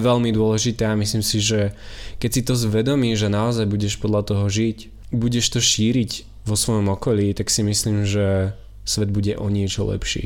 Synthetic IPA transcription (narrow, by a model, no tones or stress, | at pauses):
ʋɛʎmid̪ʊɔlɛʒit̪ɛamisliːmsiʒɛkɛcsit̪ɔzʋɛd̪ɔmiːʒɛnaɔzajbuɟɛʃpɔd̪lʎat̪ɔɦɔʒic | buɟɛʃt̪ɔʃiːɾiɟ | ʋɔsʋɔjɔmɔkɔʎiːt̪aksimisliːmʒɛ | sʋɛd̪buɟɛʔɔɲɪɛt͡ʃɔlɛ̰pʃḭ